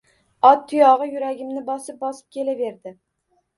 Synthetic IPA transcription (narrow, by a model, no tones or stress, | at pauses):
ɒt̪ʰːʊjɒʁɨjʊɾaɡʲɪmnɪbɒsɪp̚bɒsɪ̥p̚kʲe̞lave̞ɾd̪ɪ